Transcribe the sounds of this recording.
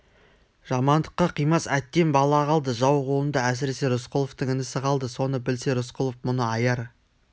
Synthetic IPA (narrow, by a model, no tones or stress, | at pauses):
ʒ̥ɑmɑnd̪əqːɑqʰijmɑsæt̪ːe̞nbɑlˠɑʁɑlˠd̪əʒɑwqʰolˠənd̪ɑæs̬ɪɾe̞se̞ɾʊsqʰolˠoft̪əŋɪnɪsɪqɑlˠd̪əso̞nəbɪlse̞ɾʊsqʰʊlˠofmʊnəɑjɑɾ